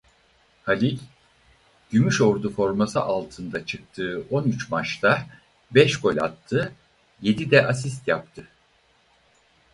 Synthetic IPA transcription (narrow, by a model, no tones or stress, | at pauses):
halʲilʲ | ɟ̥ymyʃo̞ɾd̪ufo̞ɾmasɯʔalˠt̪ʰɯnd̪at͡ʃʰɯk̚t̪ʰɯːʔo̞nyt͡ʃmat͡ʃt̪ʰa | bɛʃɡo̞lʲa̰t̪ʰːɯ | je̞d̪id̪ɛʔasist̪jap̚t̪ʰɯ